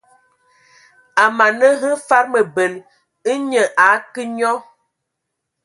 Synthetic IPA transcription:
a˨ma˨nə˦ɦə˦fa˦ɾmə˨bə˨l | i˦ɲə˨ʔa˨˦ki˦ɲɔ˦

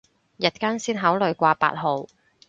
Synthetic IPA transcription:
jɐ˨t̚kaː˥nsiː˥nɦaː˨˥wlɵ˨ɥkʷaː˧pa̰ː˧t̚ɦo˨w

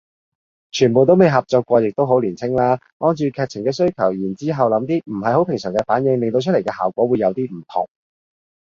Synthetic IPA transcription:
t͡ʃʰyː˨˩npo˨wt̪o˥wme˨jɦɐ˨p̚t͡sɔː˧kːʷɔː˧jɪ˨k̚t̪o˥wɦo˨˥wliː˨˩nt͡sʰɪ˥ŋlaː˥ | ŋɔː˧˥nt͡ʃyː˨˧kʰɛː˧k̚t͡sʰɪ˨˩ŋkɛː˧sɵ˥ɥkʰɐ˨˩wjiː˨˩nt͡siː˥ɦɐ˨wlɐ˨˧˥mt̪iː˥m̩˨˩ɦɐ˨jho˨˥wpʰɪ˨˩ŋsœː˨˩ŋkɛː˧faː˨˥njɪ˨˧ŋlɪ˨ŋt̪o˧wt͡ʃʰɵ˥le˨˩kɛː˧haː˨˩wkʷɔː˨˥wuː˨˧jːɐ˨˧wt̪iː˥m̩˨˩t̪ʰʊ̰˨˩ŋ

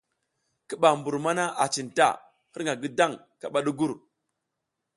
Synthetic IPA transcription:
ki˦ɓa˨mbu˨ɾma˦na˦ʔa˨t͡ʃi˨nta̰˦˨ | hi˦ɾŋa˨ɡi˦da˦˨ŋ | ka˨ɓa˦ɗu˦ɡu˦ɾ

